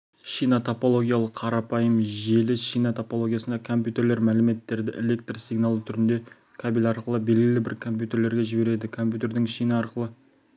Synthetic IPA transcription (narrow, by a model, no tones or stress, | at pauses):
ʃijnot̪ʰopo̞lˠo̞ɡʲijalˠəqʰːɑɾɑpʰɑjəmʒe̞lɪʃijnot̪ʰopo̞lˠo̞ɡʲijasənɑkʰo̞mp̬ʲjut̪e̞ɾle̞ɾmælɪme̞t̪ːe̞ɾd̪ɪʔelʲe̞k̚t̪rsijɡnɑlˠt̪ʰʏɾɪnd̪e̞ | kʲʰɑbelʲɑɾqəlˠəbe̞lɡʲɪlɪbɪɾkʰo̞mpʲjut̪e̞ɾle̞ɾɡʲe̞ʒɪbe̞ɾe̞d̪ɪkʰo̞mpʲjut̪e̞ɾd̪ɪŋʃijnəɑɾqəlˠə